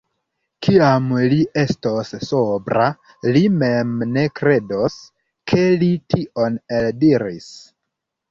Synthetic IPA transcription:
kiamlie̞stosːobɾa | lime̞mne̞kɾe̞dos | kʰe̞litioneldiɾḭs

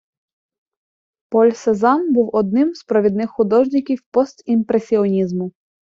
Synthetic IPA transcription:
pɔlʲsezɑnbuwɔd̪̚nɪmz̥pɾɔʋʲid̪̚nɪxːʊd̪ɔʒnʲɪkʲiwpɔst̪impɾesʲiɔnʲizmʊ

